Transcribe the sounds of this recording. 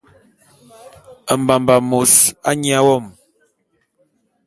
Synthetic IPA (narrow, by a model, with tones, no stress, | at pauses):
ə˨m˨ba˨mba˨mo˨sa˦ɲi˦a˦wɔ˦˨m